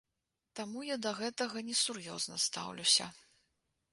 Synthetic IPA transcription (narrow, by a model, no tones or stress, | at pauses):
t̪amujad̪ɐɣɛt̪ɐɣɐnʲɛsurjɔ̰znɐst̪a̰wlʲusʲɐ̰